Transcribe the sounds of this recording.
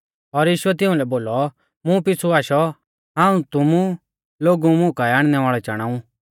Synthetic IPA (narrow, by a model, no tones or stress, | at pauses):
ɔɾjiːʃʊɛt̪ɪũlɛboːlɔ | mũpɪt͡sʰuaːʃɔ | ɦãːũt̪ʊmu | loːɡumʊ̃kaɛaːɽ̃nɛʋaːɭɛt͡ʃaɽ̃aːũ